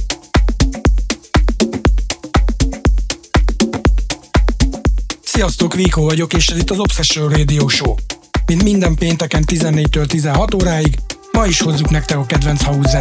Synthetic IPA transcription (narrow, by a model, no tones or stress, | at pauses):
sijɒst̪oːkʋiːkoːvɒɟo̞keːʃɛzit̪ːɒzo̞psɛʃøreːd̪ioːʃoːmint̪mind̪ɛmpeːnt̪ɛkɛnt̪izɛnːeːc̚t̪øːlt̪izɛnɦɒt̪oːɾaːjiɡ | mɒiʃho̞zːuknɛk̚t̪ɛkɒkɛd̪ʋɛnt̪shɒuzːa